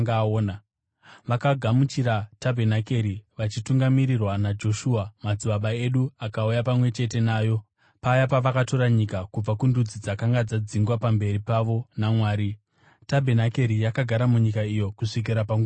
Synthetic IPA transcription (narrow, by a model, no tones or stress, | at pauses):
ŋɡaoːna | ʋakaɡʱamut͡ʃiɾatabʱenake̞ɾiʋat͡ʃituŋɡamiɾirwanad͡ʒo̞ʃuːamad͡ziɓaɓae̞ɗuakaujapamwe̞t͡ʃe̞te̞naːjo̞ | pajapaʋakato̞ɾaɲikakub͡vakundud͡zid͡zakaŋɡad͡zad͡ziŋɡwapambe̞ɾipaʋo̞namwaːɾi | tabʱe̞nake̞ɾijakaɡʱaɾamuɲikaijo̞kuʂik̬iɾapamɡ